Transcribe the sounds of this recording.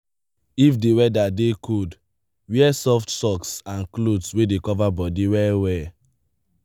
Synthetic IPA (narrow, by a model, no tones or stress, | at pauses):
ifdewɛdadekʰud | wiɛsɔftsɔksãnklodswedekɔvabɔdiwɛwɛ